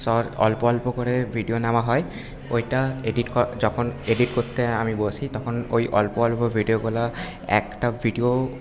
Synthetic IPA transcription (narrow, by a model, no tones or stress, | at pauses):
sɔɹɔ̰lpɔɔlpɔkɔɹɛbʱiɖionamaɦɔj | ojtaeɖitkɔzɔkʰɔneɖitkot̪ːɛamibosit̪ɔkʰɔnojʔɔ̰lpɔɔlpɔbʱiɖioɡɔla | ɛ̰kʈabʱiɖio